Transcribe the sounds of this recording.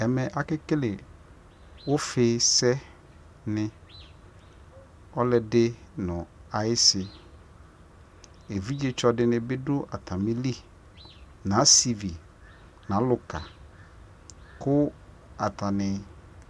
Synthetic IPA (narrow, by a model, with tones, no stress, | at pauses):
ɛ˨mɛ˨ʔa˦kɪ˦kɪ˦lɪ˨ | wʊ˦fɪ˨˦sɛ˦ | nɪ̃˦ | ɔ˦lɛ˨dɪ˦nʊ̃˨a˨ɪ˦sɪ˨ | e˨vi˦d͡ʒɪ˦t͡ʃɔ˨˦dɪ˦nɪ̃˦bɪ˦dʊ˦ʔa˨tʰa˨mĩ˦li˦ | nã˨˦si˨vi˨ | nã˨˦lʊ˨ka˨ | kʊ˦ | a˨ta˨nɪ̃˨